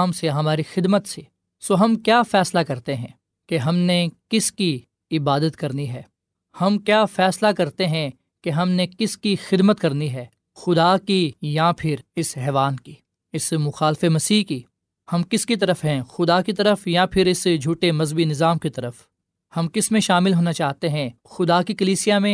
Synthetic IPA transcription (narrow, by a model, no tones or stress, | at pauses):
mseɦɐmaːɾixɪd̪mət̪se | soːɦɐmkjaːfɛːslakɐɾt̪eɦɛ̃ː | keɦɐmnekɪski | ɪbaːd̪ət̪kɐɾniɦɛː | hɐmkjaːfɛːslakɐɾt̪eɦɛ̃ | keɦɐmnekɪskixɪd̪mət̪kɐɾniɦɛː | xʊd̪aːkijapʰɪɾɪsɦɛːʋaːnki | ɪsmʊxaːlfemɐsiːɦki | hɐmkɪskit̪̬ɐɾəfɦɛ̃xʊd̪akit̪̬ɐɾəfjapʰɪɾɪsd͡ʒʱuːʈemɐzbinɪzaːmkit̪ɐɾəf | hɐmkɪsmẽʃaːmɪlɦoːnat͡ʃaːɦt̪eɦɛ̃ | xʊd̪akikɐliːsijamẽ